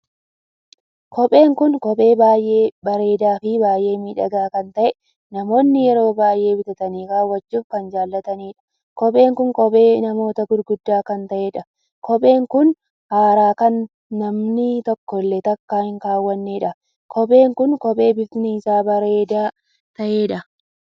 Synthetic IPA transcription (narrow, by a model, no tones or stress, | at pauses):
kʰɔpʼe̞ːŋkʊnkɔpʼe̞ːbaːjʔe̞ːbɐɾe̞ːd̪aːfɪbaːjʔe̞ːmiːᶑɐɡaːkɐnt̪ɐʔɛ | nɐmo̞ːnːɪjɛɾo̞ːbaːjʔe̞ːbɪt̪ɐt̪ɐniːkaːwːɐd͡ʒːuːfkɐnd͡ʒaːlːɐt̪ɐniːᶑɐ̥ | kɔpʼe̞ːŋkʊŋkɔpʼe̞ːnɐmo̞ːt̪ɐɡʊɾɡʊd̪ːaːkɐnt̪ɐʔeːᶑɐ | kʰɔpʼe̞ːŋkʊn | haːɾaːkɐnː | ɐmnɪt̪ɔkːɔlːɛt̪ɐkːaːhɪŋkaːwːɐnːeːᶑɐ | kʰɔpʼe̞ːŋkʊnkɔpʼe̞ːbɪfniːsaːbɐɾeːd̪aː | t̪ɐʔe̞ːᶑɐ